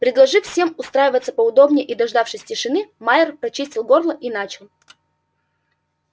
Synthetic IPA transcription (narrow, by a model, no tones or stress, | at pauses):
pɾʲɪd̪lˠɐʐɨffsʲe̞mʊst̪ɾajɪvət̪səpəʊd̪o̞bnʲɪjʔid̪ɐʐd̪afʂɨsʲtʲɪʂɨnɨmaɪrpɾɐt͡ɕisʲtʲɪlˠɡo̞rlˠəʔinat͡ɕɪlˠ